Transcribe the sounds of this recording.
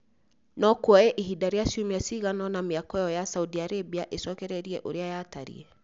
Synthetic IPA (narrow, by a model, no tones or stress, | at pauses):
nɔkwɔɛʔiɦidaɾeasiomeasiɣanɔnameakɔjɔjasaudiaɾebiaʔesɔkɛɾɛɾiɛʔoɾeajaːtaɾḭɛ